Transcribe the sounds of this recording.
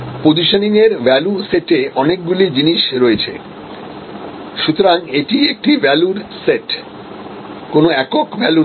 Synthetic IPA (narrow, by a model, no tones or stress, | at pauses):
pod͡ʑiʃaniŋeɾbɛluseʈeɔnek̚ɡulid͡ʑiniʃɾoet͡ɕʰḛ | ʃut̪oɾaŋeʈiek̚ʈibɛluɾseʈ | konoɛkokbɛlu